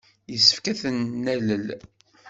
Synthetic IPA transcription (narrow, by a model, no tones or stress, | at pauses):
jəsːə̥fkæθənːæləl